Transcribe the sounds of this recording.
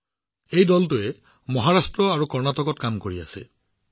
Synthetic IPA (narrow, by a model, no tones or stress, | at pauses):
ejdɔltʊɛ | mɔɦaɹastɹɔaɹukɔɹnatɔkɔtkamkoɹia̰sɛ̰